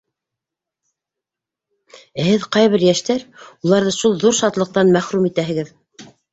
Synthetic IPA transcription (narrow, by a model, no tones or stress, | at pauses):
æhɘðqɑjβɘɾjæʃt̪æɾulˠɑɾðɤʃulˠðuɾʃɑt̪lˠɤ̆q̚t̪ɑnmæχɾumit̪æɦɘ̆ɡɘð